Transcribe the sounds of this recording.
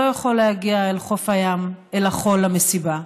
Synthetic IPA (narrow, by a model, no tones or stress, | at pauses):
ojaχo̞lːejaɡiaelχo̞fajamelaχo̞lamesiba